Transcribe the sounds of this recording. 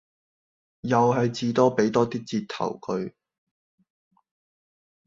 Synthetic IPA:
jɐ˨wɦɐ˨jt͡siː˧t̪ɔː˥pe˨˥jt̪ɔː˥t̪iː˥t͡siː˧t̚t̪ʰɐ̰˨˩wkʰɵ˧ɥ

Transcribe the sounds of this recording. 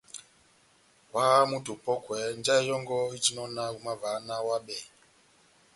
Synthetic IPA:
wa˦ɣa˦mu˦tu˨pɔ˦kwɛ˨nd͡ʒa˦i˦jɔ˦ŋɡɔ˦i˦t͡ʃi˦nɔ˦na˦u˦ma˦va˨˦na˦wa˦ɓɛ˨

